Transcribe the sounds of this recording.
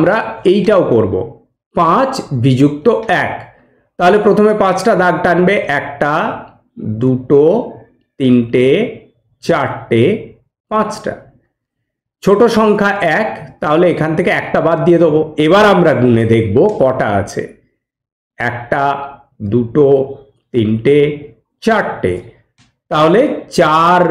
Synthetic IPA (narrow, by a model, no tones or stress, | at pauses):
amɾaejʈaokoɾbo̰ | pãt͡ɕbʱid͡ʑukt̪oɛk | t̪aɦolepɾot̪ʰomepãt͡ɕʈad̪aɡ̚ʈanbeʔɛkʈa | d̪uʈo | t̪inʈe | t͡ɕaɾʈe | pãt͡ɕʈa̰ | t͡ɕʰoʈoʃɔŋkʰaʔɛkt̪aɦoleekʰant̪ʰekeɛkʈabad̪̚ːijed̪oboeβaɾamɾaɡuned̪ek̚ʰbokɔʈa̰a̰t͡ɕʰḛ | ɛ̰kʈa | d̪uʈo | t̪inʈe | t͡ɕaɾʈḛ | t̪aɦolet͡ɕaɾ